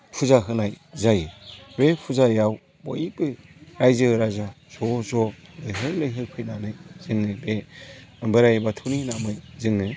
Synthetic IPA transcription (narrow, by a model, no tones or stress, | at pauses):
pʰuzaɦɯnajzajbepʰuzajaw | bɔ̰jibɯɾajzɯɾazaw | z̥ɔzɔlɯjɦɯɾlɯjɦɯɾpʰɯjnanɯz̥ɯŋːɯbe | bɯɾajbatʰuninamɯjzɯŋːɯ